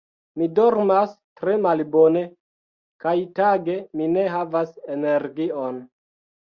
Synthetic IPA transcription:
midoɾmastɾe̞malbo̞ne̞ | kajtaɡe̞mine̞ɦavasene̞ɾɡion

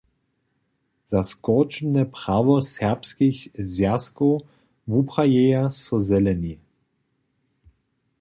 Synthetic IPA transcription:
z̥askɔt͡ʃmnəpʁ̥avɔsɛʁpskiçzjasko | vupʁ̥ajejasɔzɛlɛni

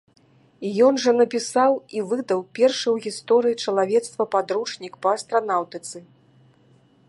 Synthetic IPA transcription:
jɔnʐɐnɐpʲisawivɨd̪ɐwpʲɛrʂɨwɣʲist̪ɔɾɨjit͡ʂɐlˠavʲɛt̪st̪vɐpad̪ɾut͡ʂnʲikpɐːst̪ɾan̪awt̪ɨt̪sɨ

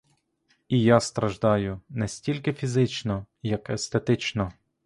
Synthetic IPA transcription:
ijast̪ɾɐʒd̪ɑjʊnɛsʲtʲilʲkɪfʲizɪt͡ʃnɔjɐkɛst̪et̪ɪt͡ʃnɔ

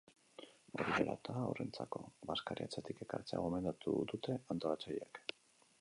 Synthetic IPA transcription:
o̞ɾiðeɾa̰t̪aore̞nt͡sako̞βaskaɾiat͡set̪ike̞kaɾt͡sea̰ɣ̞ome̞nd̪at̪ṵd̪ut̪e̞ant̪o̞lat͡sejak

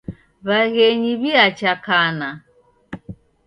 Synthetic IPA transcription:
βaɣɛɲiβiat͡ʃakana

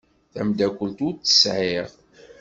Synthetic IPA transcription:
θæmd̪ækʷːəlt̪ʊɾt͡s̪ːə̥sʕiʁ

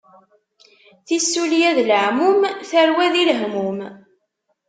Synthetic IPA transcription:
θisːuljæðləʕmumθəɾwæðilɦmum

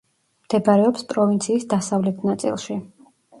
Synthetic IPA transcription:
md̪̥ɛbaɾɛɔpspʼɾɔvint̪sʰiːsd̪asavlɛt̪ʰnat̪sʼḭlˠʃi

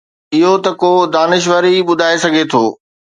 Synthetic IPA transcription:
ɪɦot̪ɐkoːd̪aːnɪʃ̬ʋəɾiɓʊd̪ʱaːesɐɡʱet̪ʰoː

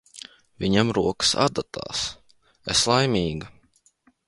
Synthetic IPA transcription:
vʲiɲamɾuɔkə̥sa̰d̪at̪ʰa̰ːs | eslˠajmʲiːɡɐ

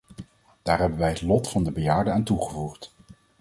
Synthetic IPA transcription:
d̥aːɹɦɛbənʋɛjɦətlɔtfɑndəbəjaːɹdəaːntuχəvuχt

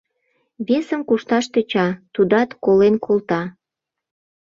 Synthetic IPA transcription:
βesəmkuʃt̪ɑʃt̪et͡ɕɑt̪ud̪ɑt̪kolenkʰolˠt̪ɑ

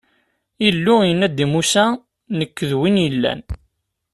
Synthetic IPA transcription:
ilːʊjənːæd̪imusæ | nəkːəðwinjəlːæ̰n

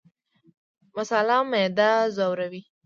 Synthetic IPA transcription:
mʊsalɑmed̪azawɾawi

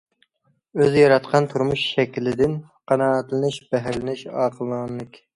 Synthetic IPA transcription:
øzjɑɾɑt̪̚qʰɑnt̪ʰuɾmuʃʃɛkʲlɪd̪ɪn | qʰɑnɑːt̪lɪnɪʃb̥ɛɦæɾlɪnɪʃɑːqʰəlˠɨnnlˠɨkʲ

